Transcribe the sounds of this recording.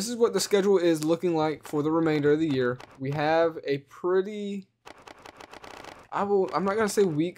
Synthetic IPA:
ðɪs̬ɨzwʌt̪̚ðɨskɛd͡ʒl̩ˠɪzlʊkɪ̃ŋlaɪkfə˞ðəɹɨmẽɪ̃ndə˞ʌvðɨjɪɹwiɨvɨpʰɹ̥ɪɾi | ʔaɪwɪlˠã̰ɪ̃mnət̚ɡ̥ʌ̃nəseɪwik

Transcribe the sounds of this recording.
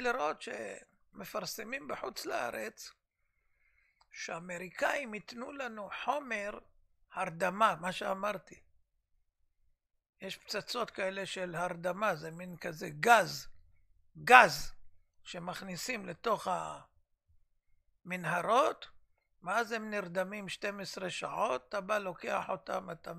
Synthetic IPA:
liɾo̞t̪ʃḛ | me̞faʁsemimbeħut͡slaa̰ʁet͡s | ʃeame̞ʁikaimit̪nulanuħo̞me̞ʁ | haʁd̪amamaʃeamaʁt̪i | jeʃpt͡sat͡so̞t̪kaele̞ʃelhaʁd̪amazeminkazeɡaz | ɡaz | ʃe̞maχnisimle̞t̪o̞χa | minɦaʁo̞t̪ | veazhemniʁd̪amimʃte̞mesʁeʃa̰ʕo̞ttabalo̞ke̞aħo̞ta̰mat̪a

